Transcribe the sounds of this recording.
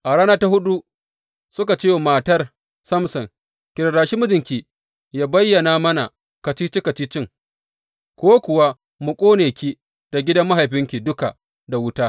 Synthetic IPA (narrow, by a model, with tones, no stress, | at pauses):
ʔa˨ɽaː˦naː˦ta˦ɦʊ˦ɗu˦ | sʊ˦ka˨t͡ʃeː˦wmaː˨tɐ˦r | sɐ˦msɐ˨ŋ | kʲɪ˨ɾɽaː˨ʃi˦mʊ˦d͡ʒɪ˨ŋkʲi˨ | jaː˦bɐ˦jːɐ˨naː˦mɐ˦na˨ | kɐ˨t͡ʃiː˦t͡ʃi˦kɐ˨t͡ʃiː˦t͡ʃɪ˦ŋ | kʷoː˦kʷʊ˨wa˦ | mʊ˨kʷʼoː˦neː˨kʲi˦ | d̥a˨ɡʲɪ˦dɐ˦mːa˦ɦa˨jɸɪ˦ŋkʲi˨dʊ˦ka˨ | da˨wʊ˦taː˦